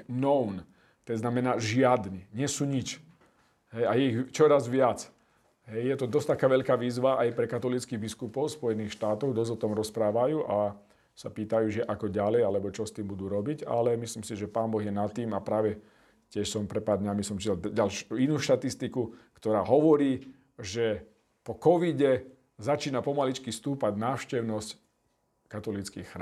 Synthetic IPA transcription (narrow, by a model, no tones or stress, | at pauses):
nɔʊn | t̪ɛznamɛnaːʒɪad̪niɲɪɛsuːɲit͡ʃ | ɦɛjajɛiɣt͡ʃɔɾazʋɪat͡s | ɦɛjjɛt̪ɔd̪ɔst̪akaːʋɛʎkaːʋiːzʋaʔajpɾɛkat̪ɔlit͡skiɣbiskupɔʊspɔjɛniːxʃt̪aːt̪ɔʊd̪ɔzɔt̪ɔmɾɔspɾaːʋajuːʔa | sapiːt̪ajuːʒɛʔakɔɟalɛjalɛbɔt͡ʃɔst̪iːmbud̪uːɾɔbiɟa̰lɛmisliːmsiʒɛpaːnbɔɣjɛnat̪ːiːmapɾaːʋɛ | cɪɛʃsɔmpɾɛt̪paːɾd̪ɲamisɔmt͡ʃiɛlɟalʃuinuːʃt̪at̪ist̪ikukt̪ɔɾaːɦɔʋɔɾiː | ʒɛ | pɔkɔʋiɟɛ | zat͡ʃiːnapɔmalit͡ʃkist̪uːpaɟnaːʊʃcɛʊnɔsc | kat̪ɔlit͡skḭxxɾ